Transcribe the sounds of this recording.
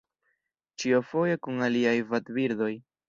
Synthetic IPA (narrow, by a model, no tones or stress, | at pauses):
t͡ʃiofo̞je̞kuŋaliajvatbiɾd̪o̞j